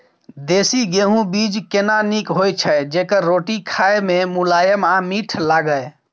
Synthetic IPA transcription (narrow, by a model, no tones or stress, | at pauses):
d̪esiɡeɦũbid͡ʒkenanikɦojt͡ʃʰəd͡ʒekəɾːoʈikʰaememulajəmamiʈʰlaɡəj